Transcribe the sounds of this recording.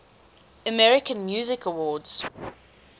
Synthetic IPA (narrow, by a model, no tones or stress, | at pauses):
əmɛɹɪkə̃nmjuːzɪkəwɔːdz̥